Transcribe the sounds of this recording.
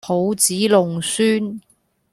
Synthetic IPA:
ho˨˧wt͡siː˨˥lʊ˨ŋsyː˥n

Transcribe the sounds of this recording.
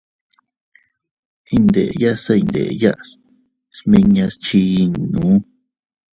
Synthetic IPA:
i˦˧nd̪ḛ˨ja˦sa˦i˧nd̪ḛ˨ʔja˦ʔs | smĩ˧ɲã˧st͡ʃi˧i˧n˨nũ˨˦

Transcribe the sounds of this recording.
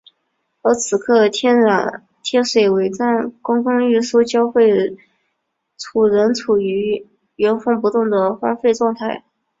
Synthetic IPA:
ə˧˥t͡sʰɹ̩˨˩kʰɤ˥˧t̪ʰjɛ˥nɻa˨˩n | t̪ʰjɛ˥˩nʂwe˨˩ɪwe˧˥ɪt͡sa˥˩nkʊ˥ŋkʊ˥ŋy˥˩ʂu˥t͡ɕjɑ˥ʊxwe˥˩ɪ | ʈ͡ʂʰu˨˩ɻə˧˥nt͡sʰu˨˩y˧˥ | ɥɛ˧˥nfɤ˥˩ŋp̬u˧˥t̪ʊ˥˩ŋd̪ə˩xwa˥nfe˥˧ɪʈ͡ʂwɑ˥˧ŋt̪ʰa˥˩ɪ

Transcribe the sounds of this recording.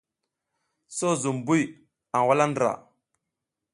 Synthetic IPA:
so˦zu˨mbu˦j | a˨wa˦la˦ndɾa̰˨

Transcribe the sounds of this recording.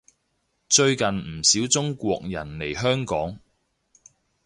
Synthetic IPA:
t͡ʃɵ˧ɥkɐ˨nm̩˨˩siː˨˥wt͡sʊ˥ŋkʷɔː˧k̚jɐ̰˨˩nle˨˩jɦœː˥ŋkɔː˨˥ŋ

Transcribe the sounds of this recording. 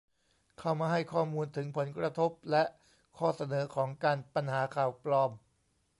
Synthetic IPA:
kʰa˥˩wmaː˧ɦa˥˩jkʰɔː˥˩muː˧nt̪ʰɯ˩˦ŋpʰo˩˦nkɾa˧t̪ʰo˦˥p̚lɛ˦˥ʔ | kʰɔː˥˩sa˧nɤː˩˦kʰɔː˩˦ŋkaː˧npa˧nhaː˩˦kʰaː˨˩wplɔː˧m

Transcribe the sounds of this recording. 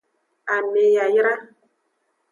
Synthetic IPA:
a˨me˨ja˨jɾa˦

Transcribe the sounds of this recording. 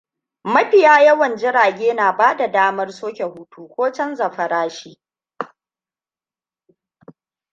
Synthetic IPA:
mɐ˦ɸɪ˨jaː˦jɐ˦wɐ˨nd͡ʒɪ˦ɾaː˨ɡʲeː˦naː˨baː˦da˨daː˦mɐ˦rsoː˦kʲe˨huː˦tʰuː˦kʷoː˦t͡ʃɐ˦nzɐ˨ɸɐ˨ɾaː˦ʃiː˦

